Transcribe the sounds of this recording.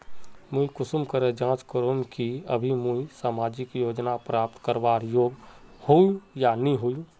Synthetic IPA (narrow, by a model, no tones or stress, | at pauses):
mũikʊsʊmkəɾed͡ʒãːt͡ʃkəɾomkiə̰bʱimuisaːmaːd͡ʒɪkjoːd͡ʒnapɾaːp̚t̪kəɾʋaːɾjoːɡhoujanĩɦojũ